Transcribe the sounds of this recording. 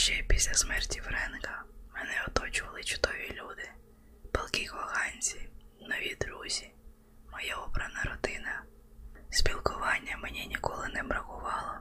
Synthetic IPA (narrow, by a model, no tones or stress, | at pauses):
ʃt͡ʃɛpʲisʲlʲɐsmɛrtʲifɾɛnkɐmɛnɛɔt̪ɔt͡ʃʊʋɐlˠɪt͡ʃʊ̥d̪ɔʋʲilʲud̪ɪ | pɛlˠkixɔɦɑnʲt͡sʲinɔʋʲid̪ɾuzʲi | mɔjaɔbɾɐnɐɾɔd̪ɪnɐ | sʲpʲilˠkʊʋɑnʲːɐmenʲinʲikɔlˠɪnɛbɾɐxʊʋɑlˠɔ